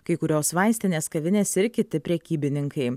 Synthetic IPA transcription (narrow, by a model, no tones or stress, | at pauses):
kɐɪkʊɾʲoːsʋɐɪsʲt̪ʲɪnʲeːskɐʋʲɪnʲeːsɪɾkʲɪt̪ʲɪpʲɾʲɛkʲiːbʲɪnʲɪŋkɐɪ